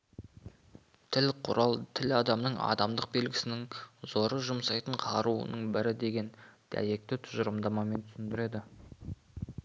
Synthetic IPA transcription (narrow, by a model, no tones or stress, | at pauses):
t̪ʰɪlqʰʊ̰ɾɑlˠt̪ʰɪlɑd̪ɑmnəɴɑ̰d̪ɑmd̪əq̚be̞lɡʲɪ̥sɪnɪŋzo̞ɾəʒʊmsɑjt̪əɴqʰɑɾuə̰nəɴbɪɾɪd̪e̞ɡʲe̞nd̪̥æ̰je̞k̚t̪ɪt̪ʰʊʒəɾəmd̪ɑmɑme̞nt̪ʰʏ̥sɪnd̪ɪɾe̞d̪ɪ